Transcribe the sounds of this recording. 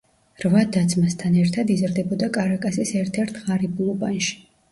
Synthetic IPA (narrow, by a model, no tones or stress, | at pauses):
ɾvad̪ad̪zmast̪ʰanɛɾt̪ʰad̪izɾd̪ɛbɔd̪akʼaɾakʼasisɛɾt̪ʰɛɾt̪ʰʁaɾibulˠɔbanʃi̥